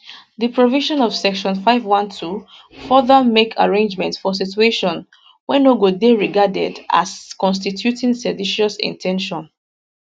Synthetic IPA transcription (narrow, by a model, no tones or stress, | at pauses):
ðipʰɹɔviʃɔ̃nɔv̥sɛkʃɔ̃nfaɪvwãntʰu | fɔðəmekʰa̰ɹẽnd͡ʒmɛ̃ntsfɔs̬itueʃɔ̃n | wɛ̃noɡodeɹiɡadɛdʔa̰skɔ̃ns̬titʰjutĩŋsɛdiʃɔsḭ̃ntʰɛ̃nʃɔ̃n